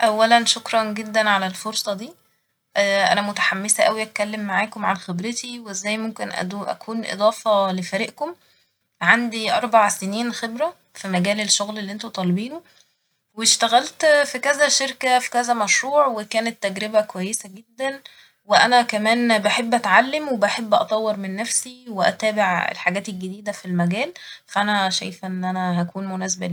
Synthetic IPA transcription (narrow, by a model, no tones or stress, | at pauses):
ʔæwːælænʃokɾˤɑnɡed̪ːænʕalælfoɾsˤɑd̪iː | ʔʔæ̰næmot̪ḁħamːesæʔæwiʔæt̪̚kælːemːaʕaːkomʕanxebɾet̪iweezːæːjmomkenʔæ̰d̪uʔæ̰kʰuːnʔḛd̪ˤɑːfɑlefæɾiʔkom | ʕand̪iʔɑɾˤbaʕseniːnxebɾæ | fimæɡæːlelʃːoɣlelːiʔent̪ot̪ˤɑlbiːno | weʃt̪æɣælt̪fikæzæʃeɾkæfi̥kæzæmæʃɾuːʕwekæːnet̪ːæɡɾebækowæjːesæɡed̪ːæn | weʔænækæmæːnbeħebːʔæt̪ʕalːemwebæħebːʔɑ̰t̪ˤɑwːeɾmenːæfsiweʔæ̰t̪æːbeʕḛlħaɡæːt̪elɡed̪iːd̪æfilmæɡæːlfæʔænæʃæ̰jfʔenːʔænæɦækuːnmonæːs̬ebæ̰lː